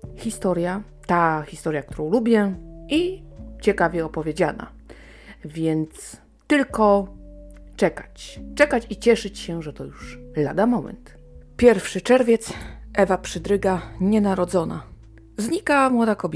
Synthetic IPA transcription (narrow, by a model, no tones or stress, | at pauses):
xʲist̪ɔɾja | t̪axʲist̪ɔɾʲjak̚t̪uɾɔ̃w̃lubʲjɛʔit͡ɕɛkavʲjɛɔpɔvʲjed͡ʑana̰ | vʲjɛnt̪s | t̪ɘlkɔ | t͡ʂɛkat͡ɕt͡ʂɛkat͡ɕit͡ɕɛʂɘt͡ɕɕɛʐɛt̪ɔjuʂlad̪amɔmɛ̰nt̪ | pʲjɛɾfʂɘt͡ʂɛɾvʲjɛt̪sʔɛvapʂɘd̪ɾɘɡaɲɛnaɾɔd̪zɔna̰ | zɲikamwɔd̪akɔbʲ